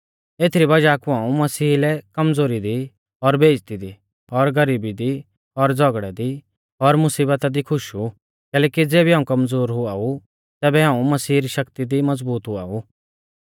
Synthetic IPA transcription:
eːt̪ʰɾibɐd͡ʒaːkuaːũmɐsiːlɛkɐmd͡zoːɾid̪i | ɔɾbʱeːd͡ʒt̪id̪i | ɔɾɡɐɾiːbid̪i | ɔɾd͡zɔɡɽɛd̪i | ɔɾmʊsiːbət̪ad̪ikʰʊʃu | kɛːlɛːkid͡zeːbiɦaːũkɐmd͡zoːɾɦʊau | t̪ɛːbɛɦaːũmɐsiːɾiʃɐkt̪id̪imɐd͡zbuːt̪ɦʊa̰ːu

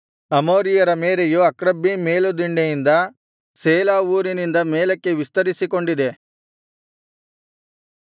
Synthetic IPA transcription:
ɐmoːɾijɐɾɐmeːɾejuɐkɾɐbːimeːlud̪iɳɖejind̪ɐ | seːlaːuːɾinind̪ɐmeːlɐkːe̞ʋist̪ɐɾisiko̞ɳɖid̪e̞

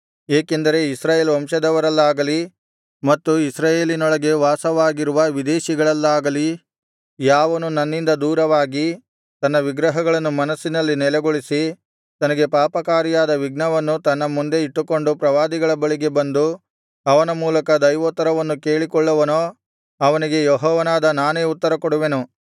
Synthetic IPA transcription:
eːke̞nd̪ɐɾe̞isɾaːjeːlʋɐmʂɐd̪ɐʋɐɾɐlːaːɡɐli | mɐt̪ːuisɾaːjeːlinɔɭɐɡe̞ʋaːsɐʋaːɡiɾuʋɐʋid̪eːʃiɡɐɭɐlːaːɡɐli | jaːʋɐnunɐnːind̪ɐd̪uːɾɐʋaːɡi | t̪ɐnːɐʋiɡɾɐɦɐɡɐɭɐnːumɐnɐsːinɐlːinɛlɛɡoɭisi | t̪ɐnɐɡe̞paːpɐkaːɾjaːd̪ɐʋiɡnɐʋɐnːut̪ɐnːɐmund̪e̞iʈːuko̞ɳɖupɾɐʋaːd̪iɡɐɭɐbɐɭiɡe̞bɐnd̪u | ɐʋɐnɐmuːlɐkɐd̪ɐjʋoːt̪ːɐɾɐʋɐnːuke̞ːɭikɔɭːɐʋɐnoː | ɐʋɐniɡe̞jɔɦɔːʋɐnaːd̪ɐnaːne̞ːut̪ːɐɾɐkoɽuʋe̞nu

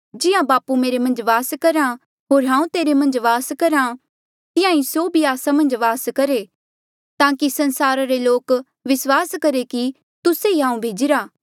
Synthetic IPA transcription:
d͡ʒɪjãbaːpumeːɾemɐ̃nd͡ʒʋaːskɐɾã | ɦoːɾɦãːũt̪eːɾemɐ̃nd͡ʒʋaːskɐɾã | t̪ɪ̃jãːĩsoːbʱiaːsamɐ̃nd͡ʒʋaːskɐɾe | t̪ãːkisɐ̃nsaːɾaɾeloːk | ʋɪswaːskɐɾeki | t̪ʊseiɦãːũbʱeːd͡ʒɪɾaː

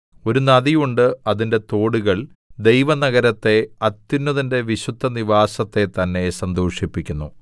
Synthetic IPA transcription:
o̞ɾunɐðijuɳɖɨɐðinde̞t̪o̞ːɽuɣɐɭ | d̪e̞jʋɐnɐɣɐɾɐt̪ːe̞ɐt̪ːinːɐðinde̞ʋiɕud̪ʱːɐniʋaːsɐt̪ːe̞t̪ɐnːe̞sɐnd̪o̞ːʂipːikʲːunːu

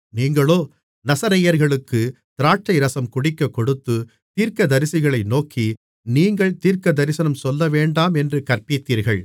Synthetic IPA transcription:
niːŋɡɐɭoː | nɐsɐɾɐjɐɾɣɐɭɯkːɯ | t̪ɪɾaːʈ̚t͡ʃːɐɪɾɐsɐmkʊɽɪkːɐkːɔɽɯt̪ːɯ | t̪iːɾkɐd̪ɐɾɪsɪɣɐɭɐɪnoːkʰi | niːŋɡɐɭt̪iːɾkɐd̪ɐɾɪsɐnɐmsɔlːɐʋeːɳɖaːmɛndrɯkɐrpɪt̪ːiːɾɣɐɭ

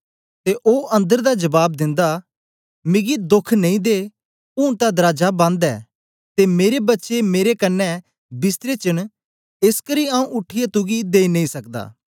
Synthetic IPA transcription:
t̪eʔoːʔɐ̃nd̪əɾd̪ad͡ʒɐbaːb̚d̪ɪ̃nd̪a | mɪɡid̪ʊkʰnɐ̃ĩd̪e | ʊ̃ːt̪ad̪ɾaːd͡ʒabãnd̪ɛ̰ː | t̪emeːɾebɐtːʃemeːɾekɐnːɛ | bɪst̪ɾet͡ʃən | ɪskəɾiaːũʔʊʈʰːɪjat̪uɡid̪eːinɐ̃ĩsɐk̚d̪a̰ː

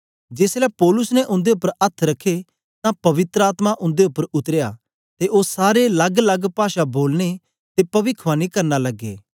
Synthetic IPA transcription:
d͡ʒeːslɛpɔːlʊsnɛʔʊ̃nd̪eʊpːəɾɐt̪ʰɾɐkʰːe | t̪ãpɐʋɪt̪ɾəaːt̪maʔʊ̃nd̪eʊpːəɾʊt̪ɾeja̰ː | t̪eʔosaːɾelɐɡlɐɡpaːʃaboːlne | t̪epɐʋɪkʰʋaːnĩkɐɾnalɐɡːḛː

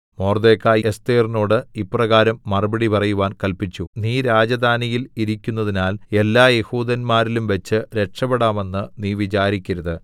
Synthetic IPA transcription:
mo̞ːrd̪e̞ːkːaːest̪eːrno̞ːɽɨipːrɐɣaːɾɐmːɐrɨbɐɽipɐrɐjuʋaːnkɐlpit͡ɕːuniːɾaːd͡ʑɐd̪ʱaːnijiliɾikʲːunːɐðinaːle̞lːaːje̞huːd̪ɐnmaːɾilumʋɐt͡ɕːɨɾe̞ʈʂɐbɐɽaːme̞nːɨniːʋit͡ɕaːɾikʲːiɾɐðɨ

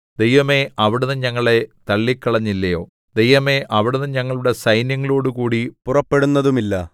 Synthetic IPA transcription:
d̪e̞jʋɐme̞ɐʋiɽunːɨɲɐŋːɐɭe̞t̪ɐɭːikːɐɭɐɲːilːɐjo̞̰ː | d̪e̞jʋɐme̞ʔɐʋiɽunːɨɲɐŋːɐɭuɽe̞sɐjnjɐŋːɐɭo̞ːɽukuːɽipurɐpːe̞ɽunːɐðumilːɐ

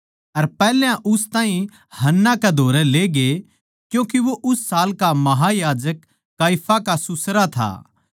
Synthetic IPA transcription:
ɐɾpɛːljãʔʊst̪aːĩ | hɐnːakɛd̪ʱoːɾɛleːɡe | kjũːk̬iʋoʔʊsːaːlkamɐɦajaːd͡ʒəkː | aːipʰakasʊsɾat̪ʰa̰ː

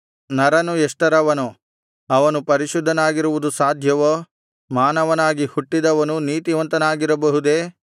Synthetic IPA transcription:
nɐɾɐnueʂʈɐɾɐʋɐnu | ɐʋɐnupɐɾiʃud̪ʱːɐnaːɡiɾuʋud̪usaːd̪ʱjɐʋo | maːnɐʋɐnaːɡihuʈːid̪ɐʋɐnuniːt̪iʋɐnt̪ɐnaːɡiɾɐbɐɦud̪e̞ː

